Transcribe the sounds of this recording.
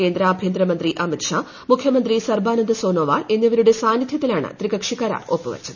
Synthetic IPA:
ke̞ːnd̪ɾaːbʱjeːnd̪ɾɐmɐnd̪ɾiʔɐmit̪ʂaː | mukʰjɐmɐnd̪risɐrbaːnɐnd̪ɐsoːnoːʋa̰ːlenːɐʋɐɾuɽe̞saːnjit̪ʰjɐt̪ːilaːɳɨ̰t̪ɾiɡɐkʂikːaːɾa̰ːopːɨʋɐ̰t͡ɕːɐð

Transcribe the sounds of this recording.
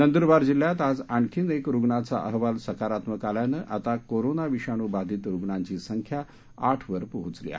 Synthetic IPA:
nənd̪uɾbaɾd͡ʑilːjat̪ad͡zaɳkʰiːnekɾuɡɳat͡sa̰ʔəɦʋalsəkaɾat̪məkaljanəʔat̪akoɾonaʋiɕaɽ̃uːbad̪ʱiːt̪ɾuɡɳaɲt͡ɕiːsəŋkʰja | aʈʰʋəɾpəɦut͡slḭa̰

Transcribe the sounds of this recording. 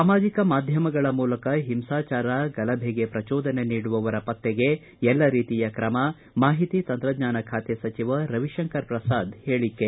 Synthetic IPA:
saːmaːd͡ʒikɐmaːd̪ʱjɐmɐɡɐɭɐmuːlɐkɐɦimsaːt͡ʃaːɾɐɡɐlɐbʱeɡe̞pɾɐt͡ʃɔːd̪ɐneniːɽuʋɐʋɐɾɐpɐt̪ːeɡe̞ | ɛlːɐɾiːt̪ijɐkɾɐmɐ | maːɦit̪it̪ɐnt̪ɾɐd̪ɲaːnɐkʰaːt̪jɐsɐt͡ʃiʋɐɾɐʋiʃɐŋkɐɾpɾɐsaːd̪he̞ːɭikːe

